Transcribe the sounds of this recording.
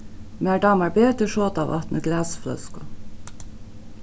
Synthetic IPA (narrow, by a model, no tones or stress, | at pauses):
mæɖɑːmɑɹbeːt̪əʃoːt̪ɑʋɑ̰t̪nəɡlæːsflœ̰skʊ